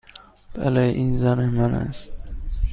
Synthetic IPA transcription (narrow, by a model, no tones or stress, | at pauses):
b̥æ̰leʔinzænemænæ̰st̪